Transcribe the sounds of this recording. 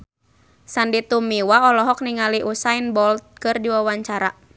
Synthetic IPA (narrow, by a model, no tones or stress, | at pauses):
sandit̪umiwaɔlɔɦɔk̚niŋaliʔusainbɔlt̪̚kɨrdiwawaɲt͡ʃaɾa